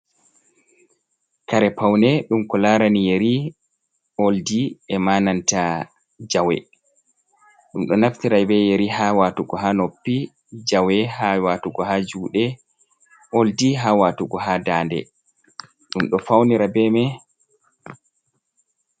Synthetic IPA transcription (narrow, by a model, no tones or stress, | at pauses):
kaɾɛpawnɛɗumkɔlaːɾanijeɾi | oldiɛmananta | d͡ʒawɛ̰ | ɗumɗɔnaftiɾajbɛjeɾiɦawatuɡɔɦanopːi | d͡ʒawɛɦawatuɡɔɦad͡ʒuːɗɛ | oldiɦawatuɡɔɦadaːndɛ̰ | ɗumɗɔfawniɾabɛmɛ